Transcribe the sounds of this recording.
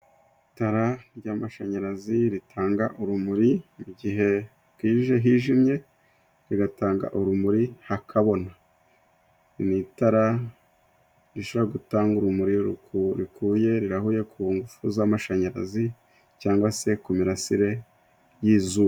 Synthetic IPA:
itaɾaɾɟaːmaʃaɲaɾaziɾitʰaːŋɡaʔuɾumuɾimuɟiɦe̞ | kwiːiʒe̞ɦiːʒimɲe̞ | ɾiɡataːŋɡa̰ʔuɾumuɾihakʰaβo̞na | nitaɾa | ɾiʃoβoɾaɡutaːŋɡuɾumuɾiɾṵkʰuɾikuːje̞ɾiɾaɦuje̞kʰuŋɡufuzamaʃaɲaɾa̰zi | caːŋɡwase̞kumiɾasiɾe̞ | jiːzuːwa

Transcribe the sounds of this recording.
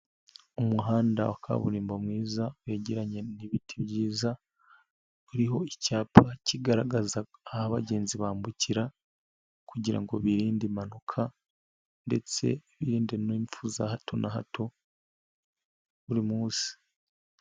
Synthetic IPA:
umuɦaːnda̰wakʰa̰βṵɾiːmbomŋiːzaβe̞ːɟeɾaɲe̞niβitʰiβɟiːza | uɾiɦo̞icaːpʰaciɡaɾaɡazaːhaβa̰ɟe̞ːnziβaːmbuciɾa | kuɟiɾa̰ŋɡo̞βiɾiːndimanokʰa | nde̞̰t͡se̞̰βiɾiːndenoːɱfuzahatʰo̞nʔaɦa̰tʰo̞ | βuɾimuːsi̥

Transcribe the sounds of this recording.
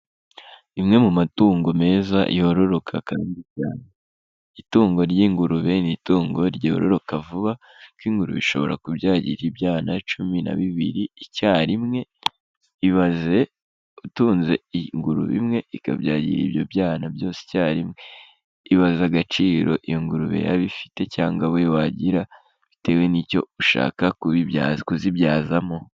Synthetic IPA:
imŋe̞mumatuːŋɡo̞me̞ːzaʔḭoɾo̞ɾo̞kʰa̰kaːndica̰ːne | ituːŋɡo̞ɾjiːŋɡuɾuβenituːŋɡo̞ɾɟo̰ɾo̞̰ɾo̞kavuβa | kwiːŋɡuɾṵβḭʃo̞̰βoɾa̰kubjaːɟḭɾibjaːnat͡ʃumina̰βiβiɾiicaːɾimŋe̞ | iβaze̞ | utuːnze̞iŋɡuɾṵβḭmŋe̞ika̰βjaːɟḭɾḭːbjo̞bjaːnabjo̞ːse̥caːɾimŋe̞ | iβazaɡat͡ʃiːɾo̞̰ʔijoŋɡuɾuβḛja̰βifi̥te̞caːŋɡawewaɟiɾa | βite̞we̞niːco̞̰uʃa̰ːkakuβiazkuzibjaːzamo̞

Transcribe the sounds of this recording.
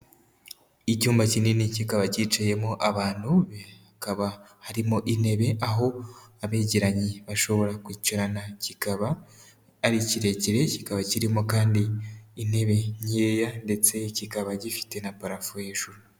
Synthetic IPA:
icuːmbacininicikaβacit͡ʃaje̞moʔaβaːn̥huβakaβahaɾimoʔine̞βe̞ʔaɦo̞aβeɟeɾaɲiβaʃo̞βo̞ɾakwiːcoɾanacikaβaː | ɾiciɾe̞ciɾe̞cikaβaciɾimokaːndiːne̞βe̞ɲeːjande̞t͡se̞cikaβaɟifi̥te̞napaɾafujeʒuɾu

